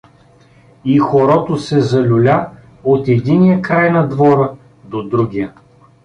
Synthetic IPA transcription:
ixoɾɔt̪osɛzɐlʲʊlʲa | ot̪ɛd̪inijəkɾajnɐd̪vɔɾə | d̪od̪ɾuɡʲijə

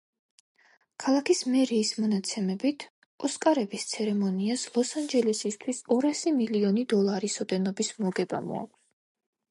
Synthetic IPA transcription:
kʰalˠakʰismɛɾiːsmɔnat̪sʰɛmɛbit̪ʰ | ɔskʼaɾɛbist̪sʰɛɾɛmɔniaslˠɔsand͡ʒɛlɛsist̪ʰwisɔɾasimiliɔnid̪ɔlˠaɾisɔd̪ɛnɔbismɔɡɛba̰mɔ̰a̰kʼ

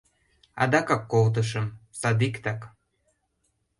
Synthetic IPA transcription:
ɑ̰d̪ɑkɑkːolt̪̬əʃ̬əmsɑd̪ikt̪ɑk

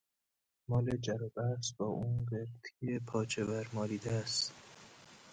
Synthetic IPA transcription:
mɒːled͡ʒæɾɒːbæsbɒːʔuːnɢeɾt̪ʰijepʰɒːt͡ʃʰevæɾmɒːliːd̪æst̪

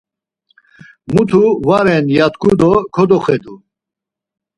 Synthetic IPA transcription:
mut̪ʰuvaɾɛnjat̪kʰʼud̪ɔkʰɔd̪ɔχɛd̪u

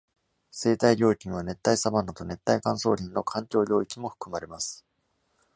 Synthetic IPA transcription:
se̞ːt̪aiɾʲo̞ːikʲĩɰ̃β̞ane̞t̪ːaisabanːot̪o̞ne̞t̪ːaikãɰ̃so̞ːɾʲĩnno̞kʰãŋkʲo̞ːɾʲo̞ːikʲimo̞ɸɯ̟̥kɯ̟maɾe̞masɨ̥

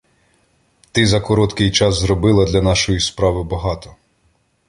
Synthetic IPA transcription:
t̪ɪzɐkɔɾɔt̪kɪjt͡ʃɑzzɾɔbɪlˠɐd̪lʲɐnɑʃɔjispɾɑʋɪbɐɦɑt̪ɔ

